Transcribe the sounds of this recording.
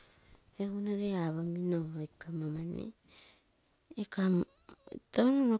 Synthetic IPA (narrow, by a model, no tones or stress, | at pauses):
eɡunaɡeaβaminoekamamanḛ | kam̰ | tawnono